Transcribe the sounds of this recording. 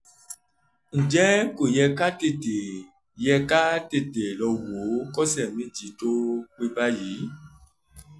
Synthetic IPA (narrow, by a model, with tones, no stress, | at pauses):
n̩˨d͡ʒɛ˦ko˨jɛ˧ka˦te˦˨te˨ | jɛ˧ka˦te˦˨te˨lɔ˧wo˨˦kɔ˦sɛ˨mĩ˦d͡ʒi˨˦to˦k͡pe˧ba˦ji˨˦